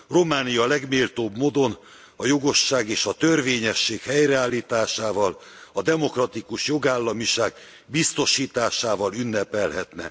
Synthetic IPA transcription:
ro̞maːnijɒlɛɡmeːlt̪oːbmoːd̪o̞n | ɒjo̞ɡo̞ʃːaːɡeːʃɒt̪ø̞rveːɲɛʃːeːkhɛjrɛaːlːiːt̪aːʃaːvɒl | ɒd̪ɛmo̞krɒt̪ikuʃjo̞ɡaːlːɒmiʃaːɡ | bist̪o̞ʃiːt̪aːʃaːvɒlynːɛpɛlɦɛt̪nɛ̰

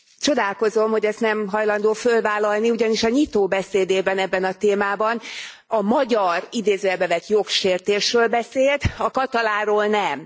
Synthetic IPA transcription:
t͡ʃo̞d̪aːlko̞zo̞mho̞ɟɛst̪nɛmɦɒjlɒnd̪oːfølvaːlːɒlniuɟɒniʃɒɲit̪oːbɛseːd̪eːbɛnɛbːɛnɒt̪eːmaːbɒn | ɒmɒɟɒrid̪eːzøɛbɛvɛt̪jo̞kʃeːrt̪eːʃrøːlbɛseːlt̪ɒkɒt̪ɒlaːɾoːlnɛm

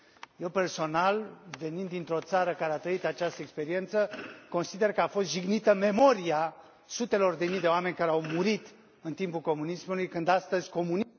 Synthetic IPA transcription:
je̞wpe̞rso̞nalve̞nind̪ːint̪ɾo̞t̪saɾəkaɾeat̪ɾəit̪at͡ʃast̪əekspe̞ɾie̞nt̪səko̞nsid̪e̞rkəafo̞st̪ʒiɡnit̪əme̞mo̞ɾia | sut̪e̞lo̞rd̪emijd̪e̞oame̞nʲkaɾeawmuɾit̪ | ɨnt̪impulko̞munismulujkɨnd̪ast̪əzʲko̞mun

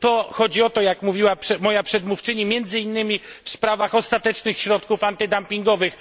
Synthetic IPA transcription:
t̪ɔxɔd͡ʑiɔt̪ɔjakmuvʲiwapʂɛmɔjapʂɛd̪muft͡ʂɘɲimʲjɛnd̪zɘinːɘmʲifspɾavaxɔst̪at̪ɛt͡ʂnɘxɕɾɔt̪kufant̪ɘd̪ampʲiŋɡɔvɘx

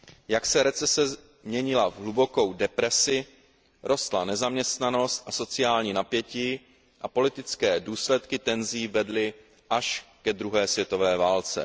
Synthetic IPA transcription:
jaksɛɾɛt͡sɛsɛ | mɲɛɲɪlavɦlubo̞ko̞wdɛpɾɛsɪ | ɾʔo̞st̪lanɛzamɲɛst̪nano̞st̪ʔaso̞t͡sɪjaːlɲiːnapjɛciː | ʔapo̞lɪt̪ɪt͡skɛːduːslɛt̪kɪt̪ɛnziːvɛdlɪ | ʔaʃkɛd̪ɾuɦɛːsvjɛt̪o̞vɛːvaːlt͡sɛ̰

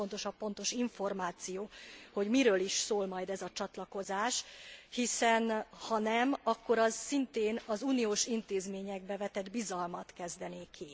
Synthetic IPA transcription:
ont̪o̞ʃɒpːo̞nt̪o̞ʃiɱfo̞rmaːt̪sijoːho̞ɟmiɾøːliʃsoːlmɒjd̪ɛzɒt͡ʃɒt̪lɒko̞zaːʃhisɛnhɒnɛmɒkːo̞ɾɒzsint̪eːnɒzuːnioːʃint̪eːzmeːɲɛɡ̚bɛvɛt̪ɛd̪bizɒlmɒt̪kɛzd̪ɛneːkʰi

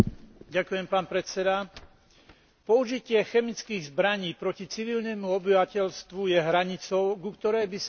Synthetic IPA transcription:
ɟakujɛmpaːnpɾɛt͡sɛd̪a | pɔuʒicɪɛxɛmit͡skiːɣzbɾaɲiːpɾɔcit͡siʋiʎnɛmuɔbiʋacɛʎst̪ʋujɛɦɾaɲit͡sɔʊɡukt̪ɔɾɛːbis

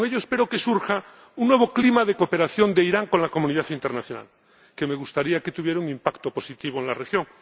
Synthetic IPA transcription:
ŋeʎoespeɾo̞kesuɾxa | uŋnːwe̞β̞oklimaðekope̞ɾaθjo̞nd̪eiɾaŋkonlakomuniðaθint̪eɾnaθjona̰l | keme̞ɣust̪aɾiaket̪uβje̞ɾauŋĩmpakt̪opo̞sit̪iβ̞oẽnlarexjoŋ

